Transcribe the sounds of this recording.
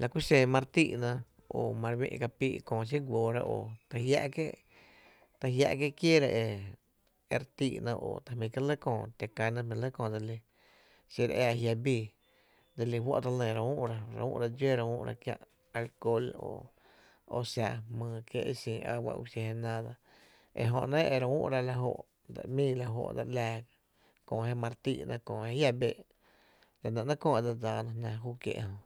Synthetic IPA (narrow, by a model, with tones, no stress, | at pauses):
lʔa˨kʷi˦sẽ˧mã˧ɾt̪i˦˨ʔnã˧ | o˧˨mã˧ɾwḭ̃˧ʔka˧piː˦˧ʔkõː˧˨s̬i˦ɡʷoː˧˨ɾa̰˧ʔoː˨t̪a˧hja̰˧ʔke˦ʔ | t̪a˧ɦja̰˧ʔke˦˧kje˦ɾa˧ʔe˧ | e˧ɾt̪i˧˨ʔnã˧ʔo̰ː˨t̪a˨hmĩ˧ka˦lə˦kõː˧˨t̪e˨kã˧nã˦mĩ˧lə˦kõː˧˨d̪e˧li˧ | si˧ɾ̰e˦a˧hja˧bi˧˨ | d̪e˧li˧wo̰˦ʔt̪a˧lə̃˧˨ɾa˧ũ˦ʔɾa˧ɾa̰˨˧ṵ̃ː˦ʔɾa˧d͡ʒo˦ɾa˧ṵ̃˦ʔɾa̰˧kjã̰˧ʔ | a˧lko˧lo̰˧˨ | o̰˧sja˧mə̃ː˧kje˦ʔe˦˧sĩː˧a̰˧wa̰˧ʔu˧se˧he˧nã˦d̪a˧ | ḛ˧ɦõ˧ʔnẽ˦ʔe˨ɾa˧ṵ̃˦ʔɾa˧la˧ɦo̰˧˨ʔ | d̪a̰˨mĩː˦la˧ɦo̰˧ʔd̪a̰˧ʔlaː˧ | kõː˧˨ɦe˦mã˧ɾt̪ḭ˦˧ʔnʔã˧kõ˧˨he˧˦hja˦be˦˨ʔ | la˨nã˧ʔnã˦kõː˦˧˨e˧˨d̪a˧d͡zaː˧˨nã˧hnã˧ɦuː˦kjḛ˧ʔhõ˧˨ʔ